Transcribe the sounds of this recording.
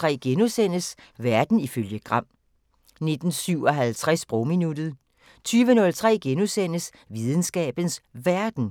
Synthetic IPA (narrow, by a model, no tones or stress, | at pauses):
ʁɛ̰ːɡ̥enusen̰əs | ʋæɐd̥n̩iføljəɡ̥ʁɑ̈m̰ | ne̝d̥n̩syʊ̰ɒ̽ɦælt͡sʰʁasb̥ʁɔminud̥ð̩ˠ | t͡sʰyːʋənɔ̽lt͡sʰʁɛ̰ːɡ̥enusen̰əs | ʋiðˠən̩sɡ̥ɛ̰ːb̥ən̩sʋæɐd̥n̩